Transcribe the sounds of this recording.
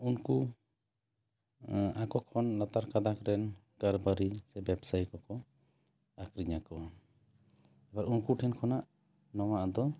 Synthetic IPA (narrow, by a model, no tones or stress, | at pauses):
unku | akɔkʰɔnlat̪aɾkad̪akɾɛn | kaɾbaɾisɛbɛbsajkɔkɔ | akɾiɲakɔwa | ɛbaɾunkuʈʰɛnkʰɔnaʔ | nɔwaʔd̪ɔ